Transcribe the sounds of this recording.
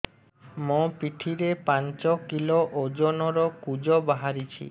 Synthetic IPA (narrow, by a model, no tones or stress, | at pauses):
mopiʈʰiɾepant͡ʃokiloʔod͡ʑonɔɾɔkud͡ʑobaɦaɾit͡ɕʰḭ